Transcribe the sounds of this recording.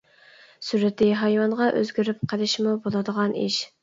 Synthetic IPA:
syɾɪt̪ɪɦɑjwɑnʁɑʔøzɡʲyɾyp̚qʰəlɪʃmubolˠɨd̪əʁɑnḭʃ

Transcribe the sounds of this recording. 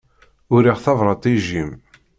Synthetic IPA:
ʊɾiʁθɑvɾˤɑt̪ˤiʒim

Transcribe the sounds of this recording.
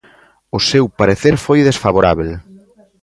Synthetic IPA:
ʊsewpaɾeθeɾfojðesfaβoɾaβel

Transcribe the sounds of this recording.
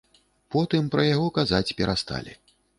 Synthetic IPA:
pɔt̪ɨmpɾɐjaɣɔkazat͡sʲpʲɛɾʔast̪a̰lʲḭ

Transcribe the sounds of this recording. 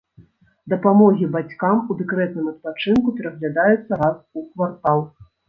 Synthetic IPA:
d̪ɐpamɔɣʲibat͡sʲkamud̪ɛkɾɛt̪̚nɨmɐt̪̚pat͡ʂɨnkupʲɛɾɐɣlʲad̪ajɛt̪sːɐɾasukvart̪alˠ

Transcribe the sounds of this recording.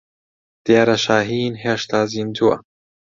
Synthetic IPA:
d̪̥eːɾɐʃaːɦiːnɦeʃt̪aːzind͡ʑuwa̰

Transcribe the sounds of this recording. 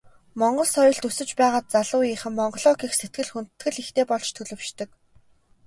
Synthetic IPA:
mɔɴɢɞ̆ɮsɔjɞ̆ɮt̪ɵsɵ̆t͡ɕpæːʁaːt̪̚t͡saɮʊːiːχɘ̆mːɔɴɢɞ̆ɮɔːkiːxset̪̚ɡɘ̆ɮxun̥t̪̆t̪ɡɘ̆ɮixt̪eːpɔɮt͡ɕt̪ʰɵɮɵ̆w̥ʃt̪ɵ̆k

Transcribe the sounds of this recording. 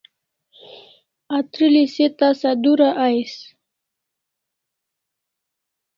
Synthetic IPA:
at̪ɾiliset̪asad̪uɾaʔajs

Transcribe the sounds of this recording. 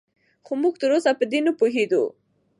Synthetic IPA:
xomuɡ̚t̪əɾosapəd̪enəpuɦed̪ṵ

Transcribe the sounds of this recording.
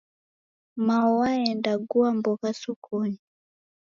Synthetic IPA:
maɔwaɛndaɡuambɔkasukʰɔɲi

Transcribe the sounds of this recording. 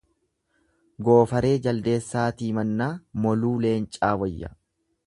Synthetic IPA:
ɡo̞ːfɐɾe̞ːd͡ʒɐld̪e̞ːsːaːt̪iːmɐnːaːmɔluːle̞ːnt͡ʃʼaːwɐjːɐ̰

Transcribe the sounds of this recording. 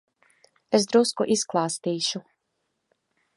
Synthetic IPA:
es̬d̪ɾuskuʔisklˠaːst̪iːʃu

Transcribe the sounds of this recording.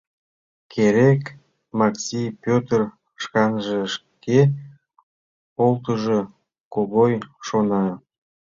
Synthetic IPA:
kʰeɾek | mɑksʲijpʲøt̪ər | ʃkɑnʒĕʃ | ke | olt̪əʒo | koɣojʃonɑ

